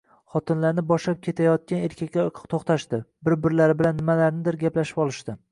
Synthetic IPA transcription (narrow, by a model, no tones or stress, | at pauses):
χɒt̪ʰɪnlaɾnɪbɒʃlap̚kʲʰe̞t̪ʰajɒt̪̚kʲaneɾkʲʰakʲːat̪ʰoχt̪ʰaʃt̪ɪbɪɾbɪɾlaɾɪbɪlanːɪmalaɾnɪd̪ɪɾɡʲaplaʃɪ̥pɒlˠɪʃt̪ɪ